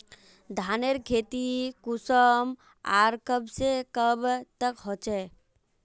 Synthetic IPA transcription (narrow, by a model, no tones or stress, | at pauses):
d̪ʱaneɾkʰeːt̪ikusəm | a̰ɾkəbsekəbt̪əkɦot͡ʃɛ